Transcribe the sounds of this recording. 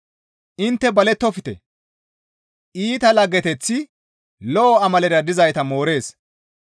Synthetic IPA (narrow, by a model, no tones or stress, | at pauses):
ʔɪnt̪ːɛbɐlɛt̪ːɔfɪt̪ɛ | ʔiːt̪ɐlɐɡɛt̪ɛt͡sːɪ | lɔʔɔɐmɐlɛɾɐd̪ɪzɐjt̪ɐmo̞ːɾe̞ːs